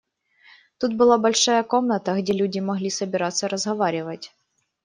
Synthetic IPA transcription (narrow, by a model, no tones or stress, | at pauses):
t̪ut̪̚bɨlˠabɐlʲʂajəkomnɐt̪əɣdʲelʲudʲɪmɐɣlʲisəbʲɪɾat̪sːɐɾəzɣɐvaɾʲɪvətʲ